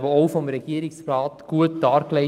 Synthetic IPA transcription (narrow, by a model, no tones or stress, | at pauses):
bəoʊfɔmɾɛɡ̥iːɾɪksrɑːtɡ̥uətd̥ɑːɾkle